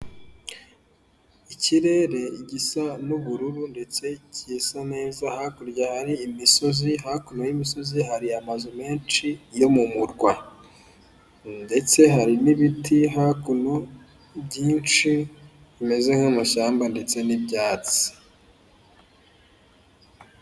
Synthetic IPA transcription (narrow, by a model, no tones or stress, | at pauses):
iciɾe̞ɾe̞iɟisanuβuɾuɾunde̞t͡se̞cisane̞ːzahakuɾjahaɾiːmiso̞ziɦakunojimiso̞ziɦaɾiamazume̞ːnt͡ʃijo̞mumuɾɡwa | nde̞t͡se̞ɦaɾiniβitʰiɦakuno | bɟiːnt͡ʃi | βime̞ze̞ŋ̥hamaʃaːmbande̞t͡se̞nibɟaːt͡si̥